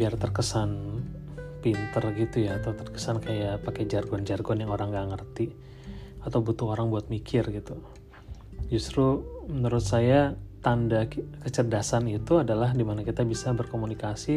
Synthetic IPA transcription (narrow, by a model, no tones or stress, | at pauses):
biart̪ərkəsan | pint̪ərɡit̪ujaːt̪awt̪ərkə̥sankajaʔpakɛd͡ʒarɡɔnd͡ʒarɡɔnjaŋoɾaŋɡaŋərt̪i | at̪awbut̪uɦoɾaŋbuat̪̚mikʰɪrɡit̪u | d͡ʒust̪ɾumənuɾʊt̪sajat̪andakət͡ʃərdasanit̪uadalahdimanakit̪abisabərkomunikasi